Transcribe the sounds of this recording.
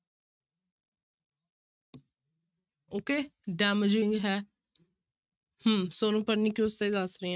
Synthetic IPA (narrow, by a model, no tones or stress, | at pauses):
oːkeːɖɛːməd͡ʒɪ̃ŋɡɦɛː | həmsoːnũːpəɾniːkjoːst̪eiːd̪əsɾeːã